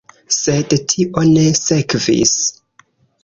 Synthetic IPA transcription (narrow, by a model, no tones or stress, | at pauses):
sedtʰiʔo̞ne̞se̞kvḭs